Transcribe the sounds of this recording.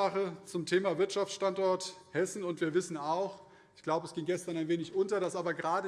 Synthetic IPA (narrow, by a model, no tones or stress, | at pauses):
aχət͡sʊmtʰeːmaːvɪɐtʃaft͡sʃtantʔɔɐthɛsn̩ʊntv̥iːɐvɪsn̩aʊx | ɪçɡ̥laʊbəɛsɡ̥ɪŋɡɛstɐnaɪnveːnɪçʔʊntɐɾasʔaːbɐɡəʁaːdə